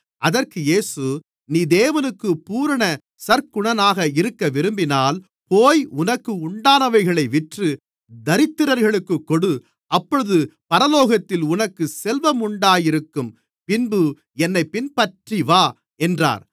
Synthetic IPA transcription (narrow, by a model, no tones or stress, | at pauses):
ʔɐðɐrkɯjeːsɯ | niːd̪eːʋɐnɯkːɯpuːɾɐɳɐ | sɐɾkʊɳɐnaːɣɐɪɾɯkːɐʋɪɾɯmbɪnaːl | poːjʊnɐkːɯʊɳɖaːnɐʋɐɪɣɐɭɐɪʋɪʈrɯ | d̪ɐɾɪt̪ːɯɾɐɾɣɐɭɯkːɯkːɔɽɯ | ɐpːɔɻɯðɯpɐɾɐloːɣɐt̪ːɪlʊnɐkːɯsɛlʋɐmʊɳɖaːjɪɾɯkːɯm | pɪnbɯ | ɛnːɐɪpːɪnpɐʈriʋaː | ɛndra̰ːɾ